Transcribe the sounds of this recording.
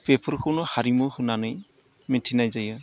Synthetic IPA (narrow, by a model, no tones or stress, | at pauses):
pepʰɯɹkʰɔnɔhaɾimɔhɯnanɯj | mitʰinajzajɯ